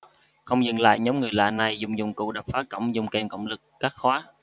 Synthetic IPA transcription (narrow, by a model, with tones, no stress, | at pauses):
xə˧wŋ͡mzɨ̰˧˨ŋla̰ː˧˨jɲə˨˦wŋ͡mŋɨ˨˩əjla̰ː˧˨˩na˨˩jzʊ˨˩ŋ͡mzʊ̰˨˧˩ŋ͡mkṵ˧˨ɗa˨˩p̚faː˨˦˥kə̰˧˨wŋ͡mzʊ˨˧˩ŋ͡mkɛ˧˩nkə̰˧˨wŋ͡mlɨ˨˩k̚ːaː˦˥k̚xwaː˨˦